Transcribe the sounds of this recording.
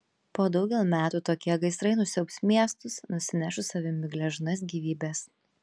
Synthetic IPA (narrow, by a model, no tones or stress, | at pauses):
poːd̪ɒʊɡʲɛlˠmʲæːt̪uːt̪oːkʲiɛɡɐɪsɾɐɪnʊsʲɛʊksmʲiɛst̪ʊsnʊsʲɪnʲæʃʊsɐʋʲɪmʲɪɡlʲɛʒnɐs̬ɡʲiːʋʲiːbʲɛs